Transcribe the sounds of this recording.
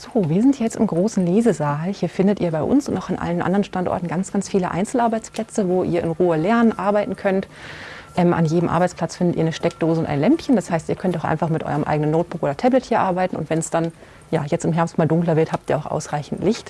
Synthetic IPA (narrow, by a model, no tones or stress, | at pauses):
z̥oːviːɐzɪntjjɛt͡stɪmɡʁoːsn̩leːzəzaːlhiːɐfɪndətiːɐbaɪʔʊ̰nsʊntaʊxanʔa̰lən̩ʔa̰ndəʁənʃtantɔ̰ɐtn̩ɡant͡sɡ̥ant͡sfiːləʔa̰ɪnt͡sl̩ʔaɐbaɪt͡spl̥ɛt͡səvoːʔḭːɐɪ̰nʁuːəlɛɐnənʔaɐbaɪtn̩kʰœnt | ʔɛːmʔa̰njeːdəm̩ʔa̰ɐbaɪt͡spʰl̥at͡sfɪndətʔiːɐnəʃtɛk̚d̥oːzəʊntʔa̰ɪnlɛmpçənd̥ashaɪstiːɐkʰœntaʊxʔa̰ɪnfaχmɪtʔɔ̰ʏʁəmʔa̰ɪɡənənːoʊt̚b̥ʊkoːdɐtʰɛblɛthiːɐʔaɐbaɪtn̩ʊ̰ntv̥ɛnsd̥an | jaːjɛt͡stɪmɦɛɐpstmaːldʊŋklɐvɪɐthaːp̚tiːɐaʊxʔa̰ʊsʁaɪçn̩tlɪçt